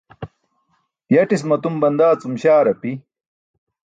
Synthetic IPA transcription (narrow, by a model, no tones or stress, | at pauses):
jɐʈismɐt̪umbɐnd̪aːt͡sumɕaːɾɐpi